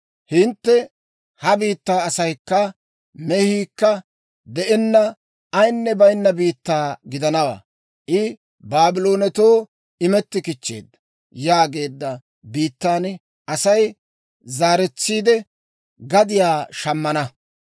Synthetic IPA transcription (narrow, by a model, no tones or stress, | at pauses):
hɪnt̪ːɛ | hɐbiːt̪ːaːsɐjkːɐ | mɛhiːkːɐ | d̪ɛʔɛnːɐ | ɐjnːɛbɐjnːɐbiːt̪ːaːɡɪd̪ɐnɐwa̰ː | ʔɪ | baːbɪlo̞ːnɛt̪oː | ɪmɛt̪ːɪkɪt͡ʃːe̞̰ːd̪ːɐ | jaːɡe̞ːd̪ːɐ | biːt̪ːaːn | ʔɐsɐj | zaːɾɛt͡sːiːd̪ɛ | ɡɐd̪ɪjaːʃɐmːɐnɐ